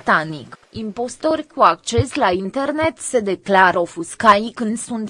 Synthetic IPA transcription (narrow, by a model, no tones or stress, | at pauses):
t̪anikimpo̞st̪o̞rʲkuak̚t͡ʃe̞slaint̪e̞rne̞t̪se̞d̪e̞klaɾofuskajkɨnd̪sunt̪